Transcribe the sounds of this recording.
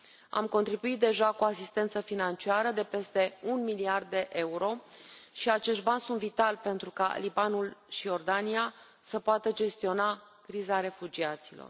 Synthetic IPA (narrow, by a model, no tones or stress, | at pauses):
a̰mko̞nt̪ɾibuit̪̚d̪e̞ʒakuasist̪e̞nt̪səfinant͡ʃiaɾəd̪e̞pe̞st̪e̞unmiliard̪̚ːe̞ʔe̞uɾo̞ʃiat͡ʃe̞ʃt̪̚banʲsunt̪vit̪alpe̞nt̪ɾuka̰libanulʃio̞rd̪ania | səpoat̪əd͡ʒe̞st̪io̞na | kɾizaɾe̞fud͡ʒiat̪silo̞̰r